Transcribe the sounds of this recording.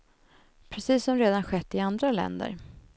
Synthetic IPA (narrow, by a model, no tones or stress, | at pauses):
pʰɾɛsiːsːɔmɾeːd̪anɧɛt̪ːɪand̪ɾalɛ̰nd̪ə̰ɾ